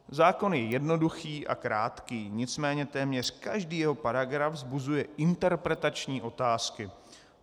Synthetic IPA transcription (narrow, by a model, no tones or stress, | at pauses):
zaːko̞njɛjɛdno̞duxiːʔa̰kɾaːt̪kiːɲɪt͡smɛːɲɛt̪ɛːmɲɛr̝̥kaʒdiːjɛɦo̞paɾaɡɾavzbuzujɛʔɪnt̪ɛɾpɾɛt̪at͡ʃɲiːʔo̞t̪aːskɪ